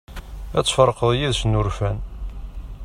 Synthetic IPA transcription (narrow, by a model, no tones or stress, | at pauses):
æt͡sːfəɾˤːqəðˤjiðsənːuɾfæn